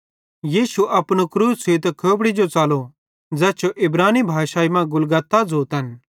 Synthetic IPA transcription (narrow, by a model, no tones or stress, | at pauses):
jiːsuʔɐpɽ̃okɾuːseːt̪kʰoːbɽid͡ʒot͡saːlo | d͡zɛːt͡ʃʰoʔɪbɾaːnibʱaːʃaːimãɡʊlɡaːt̪ːad͡zoːt̪ɦɐn